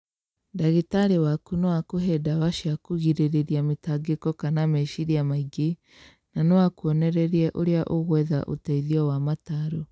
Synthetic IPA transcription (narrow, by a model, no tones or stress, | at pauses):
daɣetaɾewakunewakoɦɛdaβaʃjakuɣiɾeɾeɾiametaɡekɔkanamɛʃiɾiamaiɡe | nanɛwakuɔnɛɾɛɾiɛʔoɾeaʔoɣwɛða̰ʔo̰tɛiðiɔwamataɾo